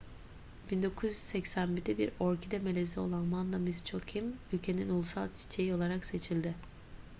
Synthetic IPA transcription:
b̥ind̪o̞kʰuzy̥sɛcsænbid̪ibiɾoɾcʰid̪ɛmelʲezio̞̰lˠanmand̪amizt͡ʃʰokcʰimylʲcʰe̞ninulˠsa̰lˠt͡ʃʰi̥t͡ʃʰe̞jio̞lˠaɾakse̞t͡ʃʰilʲd̪ɪ

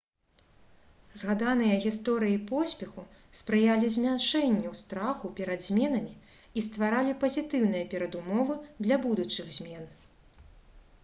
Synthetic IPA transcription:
zɣad̪anɨjɐɣʲist̪ɔɾɨjipɔsʲpʲɛxu | spɾɨjalʲizʲmʲanʂɛnʲːɛwst̪ɾaxupʲɛɾɐd̪zʲmʲɛn̪ɐmʲi | ist̪vaɾalʲipɐzʲit̪ɨwn̪ɨjɐpʲɛɾɐd̪umɔvɨd̪lʲɐbud̪ut͡ʂɨɣzʲmʲɛn

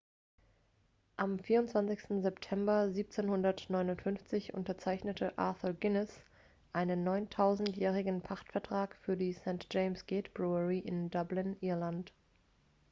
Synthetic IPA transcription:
ʔamfiːɐʊntt͡sv̥ant͡sɪçstn̩zɛptʰɛmbɐziːp̚t͡seːnhʊndɐtnɔʏnʊntfʏnft͡sɪçʔʊ̰ntɐt͡saɪçnətʰəʔa̰ɐθəlɡɪnɛs | ʔaɪnənːɔʏntʰaʊzn̩tjɛːʁ̞ɪɡn̩pʰaχtfɛɐtʁ̥aːkfyːɐdiːsɛ̃ntʒ̥eɪmsɡ̥ɛːtb̥ʁuəʁiʔɪndʌblɪnʔɪɐlant

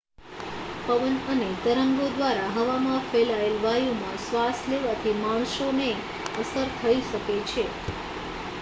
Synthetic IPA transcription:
pəʋənənet̪əɾəŋɡod̪ʋaɾaɦəʋamãfelaelʋajumã̰sʋasleʋat̪ʰimaɳ̃ʃone | əsəɾt̪ʰəiʃəket͡ʃʰe

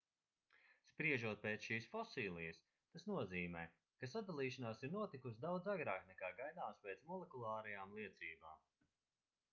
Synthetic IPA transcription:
spɾiɛʒuɔt̪̚peːt̪sʃiːsfɔsiːlˠijɐs | t̪asnuɔziːmɛː | kasad̪alˠiːʃanaːsiɾnuɔt̪ikusd̪awd̪zaɡɾaːknɛkaːɡajd̪aːspɛːt̪smɔlˠɛkulˠaːɾɐjaːmlˠiɛt̪siːba̰ːm

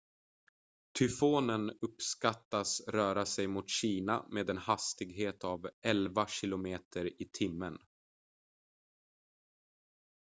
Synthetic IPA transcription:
t̪ʰʏfoːnənɵpskat̪ːasɾœːɾasɛjmʊt̪ɕiːna̰meːd̪ɛnhast̪ɪɡɦeːt̪avɛlvaɕɪlʊmeːt̪ʰəɾɪt̪ʰɪmːən

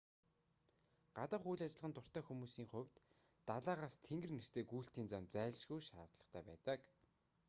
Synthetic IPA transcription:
ɢ̥at̪ə̆χujɮat͡ɕɪ̆ɮʁə̆nt̪ʊr̥t̪æːxumuːsiːŋχʊwʲt̪ː | aɮaːʁaːst̪ʰeŋɡɘ̆rner̥t̪eːɡujɬt̪iːnt͡samt͡sæːɮʃɡujʃa̰ːt̪ɮə̆χt̪ʰæ̰ːpæ̰ːt̪ə̆k

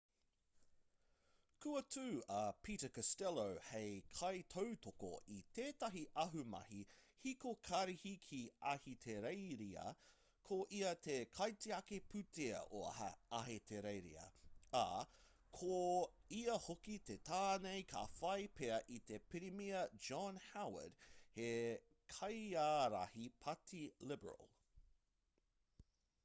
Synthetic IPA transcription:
kʰʉɐtʰʉːɐpʰiːtəkɐstɛlowhejkʰɐjtʰowtʰoko̰ʔit̪ʰeːtɐɦiʔɐɦʉmɐ̰hihikokʰɐɾihikʰiɐhit̪ʰeɾejɾiɐ̰ | kʰoʔiɐt̪ʰekʰɐjtiɐkepʰʉtʰeɐ̰ʔo̰ɐɦetʰeɾejɾḭɐ̰a̰ | kʰoiɐhokit̪et̪ʰaːnejkʰa̰fɐjpʰeɐʔit̪epiɾimiɐd͡ʒɑnhawə̰d̥he | kʰɐjaːɾɐ̰hipʰɐtʰilɪbə̰ɹə̰lˠ

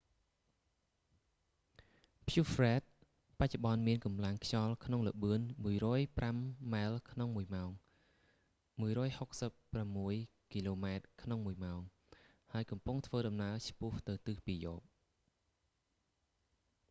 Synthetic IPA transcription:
pʰjufrɛːt̪̚ | pac̚t͡ɕoɓɑnmiənkɑmlaŋkʰt͡ɕɑlkʰnoŋləɓɨənmuəjrɔːjpramːaɛlkʰnoŋmuəjmaɔŋ | muəjrɔːjhok̚səpːramːuəj | kiloːmaɛt̪̚kʰnoŋmuəjmaɔŋ | haəjkɑmpuŋt̪ʰʋəːɗɑmnaət͡ɕʰpʊ̆əht̪ɨwt̪ɨːpiəjoːp̚

